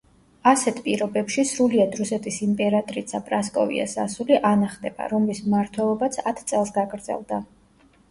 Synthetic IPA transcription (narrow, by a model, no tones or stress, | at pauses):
asɛt̪ʰpʼiɾɔbɛpʃisɾuliad̪ɾusɛt̪ʰʼisimpʼɛɾat̪ʼɾisʰapʼɾaskʼɔ̰vḭa̰sa̰suliʔanaχd̪ɛba̰ɾɔmlismmaɾt̪ʰwɛlˠɔbat̪sʰat̪ʰt̪sʼɛlˠsɡaɡɾd̪zɛ̰lˠd̪a